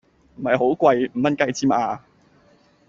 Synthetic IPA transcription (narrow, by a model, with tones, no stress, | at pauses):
m̩˨˩hɐ˨jɦo˨˥wkʷwa˧jm̩˨˩mɐ˥nkɐ˧jt͡siː˥mʔaː˧